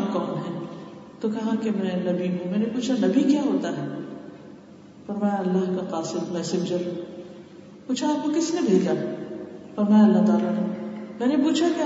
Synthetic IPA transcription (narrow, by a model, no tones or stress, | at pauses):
kɔːnɦɛ̃ː | t̪okɐɦãkemɛ̃nɐbʱiɦũmɛ̃ːnepuːt͡ʃʰanɐbʱikjaɦoːt̪aɦɛː | fɐɾmaːjaɐlːaɦkaqaːsɪd̪mɛːsẽːɲd͡ʒəɾ | puːt͡ʃʰaːp̚kokɪsnẽbʱeːd͡ʒaː | fɐɾmaːjaɐlːaɦt̪aːlaɾemɛ̃ːnepuːt͡ʃʰake